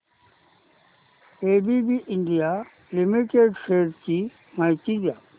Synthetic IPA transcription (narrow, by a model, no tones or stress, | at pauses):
eːbibiʔɪɳɖija | lɪmiʈeːɖseːɾt͡ɕi | mait̪ĩd̪ijaː